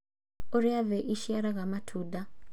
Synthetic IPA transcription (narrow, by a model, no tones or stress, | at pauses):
ɔɾiavɛʔiʃiaɾaɣamatʰuːda